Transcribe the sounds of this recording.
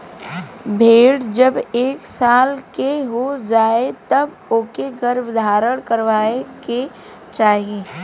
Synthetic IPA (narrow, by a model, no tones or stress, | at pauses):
bʱeːɽd͡ʒɐbeːksaːlkeɦod͡ʒaːet̪ɐb | oːkeɡɐɾbd̪ʱaːɾəɽ̃kəɾʋaːeke | t͡ʃaːɦieː